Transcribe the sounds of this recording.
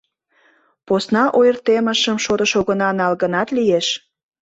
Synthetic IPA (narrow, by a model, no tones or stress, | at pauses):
posnɑʔojərt̪emə̆ʃəmʃoɾəʃoɣənɑnɑlɣənɑt̪lijeʃ